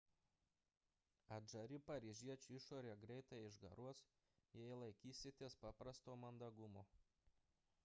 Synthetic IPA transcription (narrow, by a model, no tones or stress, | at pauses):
ɐʒɐɾʲɪpɐɾʲiʒʲiɛt͡ʃʲuɪʃoːɾʲeːɡɾʲɛɪt̪ɐɪʒɡɐ̰ɾuɔs | jɛjlˠɐɪkʲiːsʲɪt̪ʲispɑːpɾɐst̪oːmɐnd̪ɐɡʊmoː